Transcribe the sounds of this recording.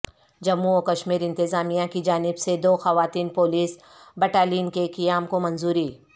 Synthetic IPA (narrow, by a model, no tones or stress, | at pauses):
d͡ʒɐmːuɔːkɐʃmiːɾɪ̃nt̪ɪzaːmijãkid͡ʒaːnɪbsed̪oːxɐʋaːt̪iːnpoːliːs | bɛʈaːliːnkekijaːmkomɐnzuːɾi